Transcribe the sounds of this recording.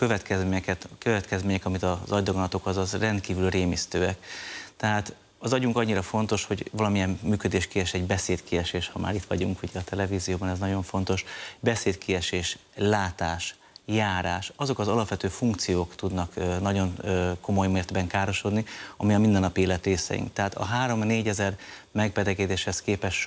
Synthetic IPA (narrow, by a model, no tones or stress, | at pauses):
køvɛt̪kɛzɲɛkɛt̪køvɛt̪kɛzmeːɲɛkɒmit̪ɒzɒjd̪oɡonɒt̪o̞kɒzɒzrɛnt̪kiːvylreːmist̪øːɛkt̪ɛɦaːt̪ | ɒzɒɟuŋkɒɟːiɾɒfo̞nt̪o̞ʃho̞ɟvɒlɒmijɛmːyːkø̞d̪eːʃkiɛʃɛɟbɛseːt̪kiɛʃeːʃhɒma̰ːɾit̪ʋɒ̰ɟuŋkuɟɛɒt̪ɛlɛviːzijoːbɒnɛznɒɟo̞ɱfo̞n̪t̪o̞ʃbɛseːt̪kiɛʃeːʃlaːt̪aːʃ | jaːɾaːʃɒzo̞kɒzɒlɒpʋɛt̪øːfuŋkt̪sijoːkt̪ud̪nɒkːnɒɟo̞nːko̞mo̞jmeːrd̪bɛŋkaːɾo̞ʃo̞d̪niɒmiɒmind̪ɛnːɒpieːlɛt̪ɾeːsɛ̰jḭŋkt̪ɛɦaːt̪ɒ̰ɦaːɾo̞mneːɟɛzɛrmɛɡ̚bɛd̪ɛɡɛd̪eːʃhɛskeːpɛʃ